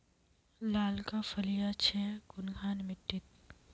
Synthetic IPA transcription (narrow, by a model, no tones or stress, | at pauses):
laːlkafɐlijat͡ʃʰɛːkʊnɡʱaːnmɪʈ̪ːɪt̪̚